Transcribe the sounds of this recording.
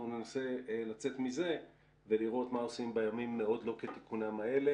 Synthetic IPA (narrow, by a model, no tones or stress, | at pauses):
unenase̞lat͡se̞t̪mize̞ | ve̞liʁo̞t̪mao̞simbajamimːeo̞d̪lo̞ket̪i̥kunamae̞le